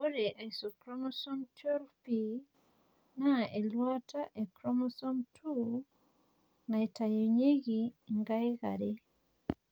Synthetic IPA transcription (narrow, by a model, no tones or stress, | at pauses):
oɾeʔaisokɾomosɔmtɾpi | naelwataʔekɾomosɔmtʰu | naetajoɲeɣiŋɡaiɣa̰ɾe